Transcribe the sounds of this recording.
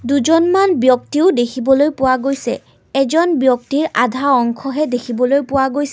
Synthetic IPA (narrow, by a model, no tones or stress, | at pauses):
duzɔnmanbjɔktiʊdekʰibɔlojpʊwaɡojsɛ̰ | ɛzɔnbjɔk̚tiɹʔadʱaɔŋkʰɔɦɛdekʰibɔlojpʊwaɡojs